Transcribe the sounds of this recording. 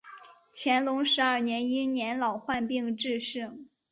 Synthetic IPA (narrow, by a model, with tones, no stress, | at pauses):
t͡ɕʰjɛ˧˥nlʊ˧˥ŋʂɻ̩˧˥ɐ˞˥˩njɛ˧˥ni˥njɛ˧˥nlɑ˨˩ʊxwa˥˧npi˥˧ŋʈ͡ʂɻ̩˥˧ʂɻ̩˥˩ŋ